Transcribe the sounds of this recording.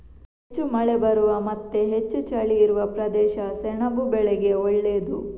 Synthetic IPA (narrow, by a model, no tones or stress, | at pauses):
het͡ʃːumɐɭebɐɾuʋɐmɐt̪ːeɦet͡ʃːut͡ʃaːɭijiɾuʋɐpɾɐd̪ɛːʃɐsɛɳɐbubɛɭɛɡe̞ɔɭːeːd̪u